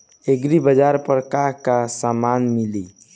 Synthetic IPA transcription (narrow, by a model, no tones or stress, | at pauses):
eɡɾibəd͡ʒaɾpəɾəkaɾkasamanmili